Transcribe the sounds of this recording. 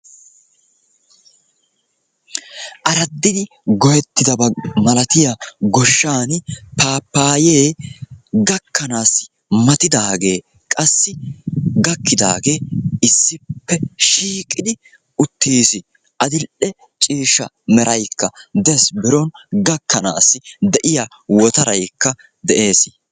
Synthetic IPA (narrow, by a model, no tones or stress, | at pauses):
ʔɐɾɐd̪ːɪd̪ɪ | ɡɔjɛt̪ːɪd̪ɐbɐmɐlɐt̪ɪjɐɡɔʃːaːnpaːpːaːjeː | ɡɐkʰːɐnaːsɪ̥ | mɐt̪ɪd̪aːɡe̞ː | kʼɐsːɪɡɐkːɪd̪a̰ːɡeːɪsːɪpːɛʃiːkʼːɪd̪ɪ | ʊt̪ʰːiːsɪ | ʔɐd̪ɪlʔɛ | t͡ʃʼiːʃːɐ | mɛɾʔɐjkːɐd̪ɛsbɪɾɔnɡɐkːɐna̰ːsːɪd̪ɛʔɪja | wɔt̪ɐɾɐjkːɐ | d̪ɛʔe̞ːs